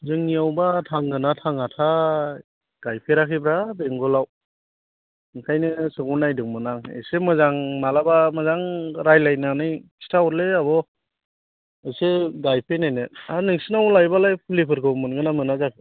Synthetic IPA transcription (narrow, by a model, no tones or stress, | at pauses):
zɯŋiawbatʰaŋɡɯnatʰaŋatʰa | ɡ̥ajpʰeɾakʰibɾabeŋɡɔlaw | ŋkʰajnɯsɯŋunajdɯŋmɯnaŋḛsemɯzaŋmalabamɯzaŋɾajlajnanɯjistʰaɔɾleabɔ | ɯseɡajpʰenajnɯanɯŋsinawlajbalajpʰɯlipʰɯɾkʰɯmɯnɡɯnamɯnazakʰɯ